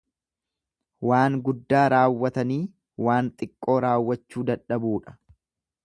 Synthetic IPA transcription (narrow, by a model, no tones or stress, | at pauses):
waːŋɡʊd̪ːaːɾaːwːɐt̪ɐniː | waːnt̪ʼɪkʼːo̞ːɾaːwːɐt͡ʃːuːd̪ɐᶑɐbuːᶑɐ̥